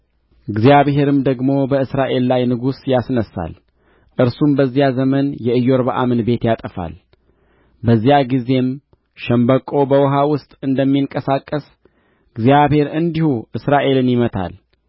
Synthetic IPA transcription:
ɨɡzjaβɦe̞ɾɨmd̪əɡmo̞bəɨsɾaʔe̞lːajnɨɡusjasnəsa̰l | ʔɨɾsumbəzːijazəmənjɛɨjːoɾbaʔamɨnbe̞t̪jat̪ʼəfa̰l | bəzːijaɡize̞m | ʃɛmbəkʼo̞bəwɔɦawʊst̪ʼɨnd̪əmːiŋkʼəsakʼːəs | ɨɡzijaβhe̞ɾɨnd̪ihuʔɨsɾaʔe̞lɨnjɪmət̪ʰa̰l

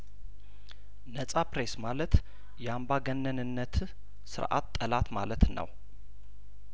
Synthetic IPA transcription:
nəsʼapɾesmalət̪ | jɛambaɡənːənɨnːət̪ | sɨ̰ɾʔa̰t̪ːʼəlat̪ma̰lət̪nə̰w

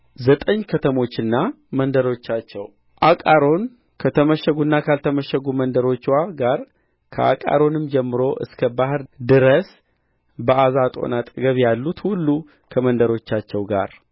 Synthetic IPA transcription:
zət̪ʼəɲːkʰət̪ʰəmo̞t͡ʃːɨnːa | mənd̪əɾo̞t͡ʃːat͡ʃːɛw | ʔakʼaɾo̞n | kʰət̪ʰəməʃəɡunːakʰalt̪ʰəməʃəɡumənd̪əɾo̞t͡ʃːwaɡaɾ | kʰə̰a̰kʼa̰ɾo̞nɨmd͡ʒɛmːɨɾo̞ʔɨ̰skʰəbahɨɾd̪ɨɾəs | bəazat̪ʼo̞̰nat̪ʼɡəβjalːut̪hulːu | kʰəmənd̪əɾo̞t͡ʃːat͡ʃːɛwɡa̰ɾ

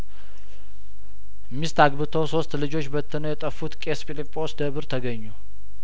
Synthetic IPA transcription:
mist̪aɡbɨt̪ʰəwso̞st̪lɨd͡ʒo̞t͡ʃːbət̪ʰːɨnəwjɛt̪ʼəfːut̪kʼespilipʼːo̞sd̪əβɨɾt̪ʰəɡəɲːu

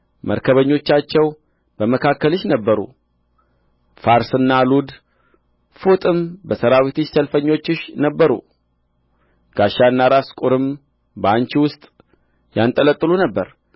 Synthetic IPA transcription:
mʔə̰ɾkʰəβəɲːo̞t͡ʃːat͡ʃːɛw | b̥əməkʰakːəlɨʃnəbːəɾṵ | faɾsɨnːalud̪ | fut̪ʼɨmbəsəɾawit̪ʰɨʃsəlfəɲːo̞t͡ʃːɪʃnəbːəɾṵ | ɡ̥aʃaɨnːaɾaskʼuɾɨm | bant͡ʃiwʊst̪ʼ | jant̪ʼələt̪ʼːɨlunəbːəɾ

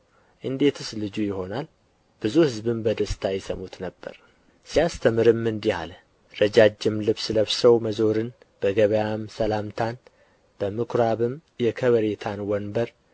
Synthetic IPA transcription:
ʔɨnd̪e̞t̪ʰɨslɨd͡ʒujɪho̞nal | b̥ɨzuhɨzbɨmbəd̪əst̪ʰajɛsəmut̪nəbːə̰ɾ | sijast̪ʰəmɨɾɨmːɨnd̪iha̰lə | ɾəd͡ʒad͡ʒːɪmlɨβsləβsəwməzo̞ɾɨn | b̥əɡəβəjamsəlamt̪ʰan | b̥əmɨkʰɾaβɨmjɛkʰəβəɾet̪ʰanwɔnbəɾ

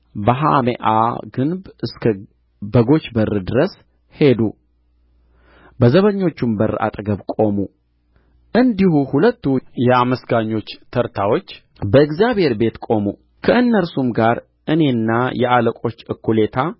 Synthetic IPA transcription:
bəɦa̰mḛʔa̰ɡɨnbɨskʰə | bəɡo̞t͡ʃːbərːɨd̪ɨɾəs | he̞d̪u | bəzəβəɲːo̞t͡ʃːumbəɾʔa̰t̪ʼɡəβkʼo̞mu | ʔɨnd̪ihuhulət̪ːujɛaməsɡaɲːo̞t͡ʃːt̪ʰəɾt̪ʰawo̞t͡ʃː | bəɨɡzjaβhe̞ɾbe̞t̪kʼo̞mu | kʰəʔɨnːəɾsumɡaɾ | ʔɨne̞nːajɛʔaləkʷʼo̞t͡ʃːɨkːule̞t̪ʰa

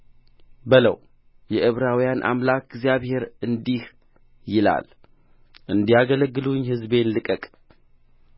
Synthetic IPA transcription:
bələ̰w | jɛʔɨβɾawijanʔa̰mlak̚ʰɡzjaβhe̞ɾɨnd̪ih | jɪla̰l | ʔɨnd̪ijaɡələɡːɨluɲːhɨzbe̞nlɨkʼəkʼ

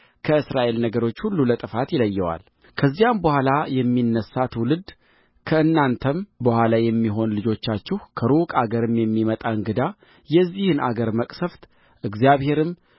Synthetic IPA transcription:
kʰəɨsɾaʔe̞lnəɡəɾo̞t͡ʃːhulːulət̪ʼɨfat̪jɪləjːɛwa̰l | kʰəzːijambəhʷalajɛmːinːəsːat̪wʊlɨd̪ | kʰəɨnːant̪ʰəmbəhʷalajɛmːiɦo̞nlɨd͡ʒo̞t͡ʃːat͡ʃːɪhkʰəɾukʼaɡəɾɨmjɛmːimət̪ʼaɨŋɡɨd̪a | jɛzːihɨnʔa̰ɡəɾməkʼsəft̪ | ʔɨɡzijaβhe̞ɾɨm

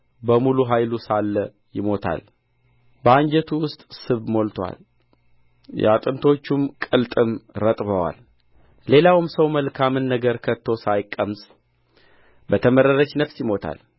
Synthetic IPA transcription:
bəmuluɦajlusalːə | jɪmo̞t̪ʰa̰l | bəaɲd͡ʒɛt̪ʰuwʊst̪ʼsɨβmo̞lt̪ʰwa̰l | ja̰t̪ʼɨnt̪ʰo̞t͡ʃːumkʼɨlt̪ʼɨmɾət̪ʼβəwa̰l | le̞lawɨmsəwməlkʰamɨnːəɡəɾkʰət̪ʰːo̞sajkʼːəmsʼ | bət̪ʰəməɾəɾət͡ʃːnəfsjɪmo̞t̪ʰa̰l

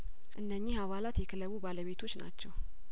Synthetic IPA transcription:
ʔɨnːəɲːihaβalat̪jɛkʰələβubaləβe̞t̪ʰo̞t͡ʃːna̰t͡ʃːɛw

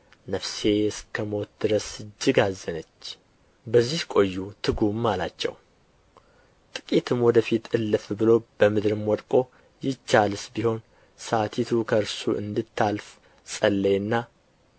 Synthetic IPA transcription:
nəfse̞ɨskʰəmo̞t̪̚d̪ɨɾəsɨd͡ʒːɪɡazːənət͡ʃː | bəzːihkʼo̞jːut̪ʰɨɡumːalat͡ʃːɛ̰w | t̪ʼɨkʼit̪ʰɨmwɔd̪əfit̪ɨlːɨfbɨlo̞b̥əmɨd̪ɾɨmwɔd̪kʼo̞ | jɪt͡ʃːalɨsbiho̞n | sat̪ʰit̪ʰukʰəɾsuʔɨ̰nd̪ɨt̪ʰːalf | sʼəlːəɨnːa

